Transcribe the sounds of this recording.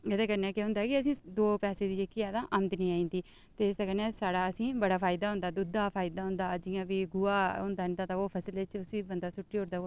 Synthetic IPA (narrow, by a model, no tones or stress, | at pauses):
əd̪ẽːkəɾnɛːkeɦʊnd̪aːkɪəs̬ĩːd̪oːpɛːseːd̪iːd͡ʒekːiɛːd̪ãːʔəmt̪nĩːaːĩːnd̪iː | t̪eːɪsd̪aːkəɾnɛːsaːɽaːəsĩːbəɽaːpʰaːɪd̪aːɦʊ̃nd̪aːd̪ʊd̪aːpʰaːɪd̪aːɦʊ̃nd̪aːd͡ʒɪjãːʋiːɡʊaːʊ̃nd̪aːnd̪aːt̪ãoːpʰəslet͡ʃʊsiːbənd̪aːsʊʈːiːɦoːɾd̪aː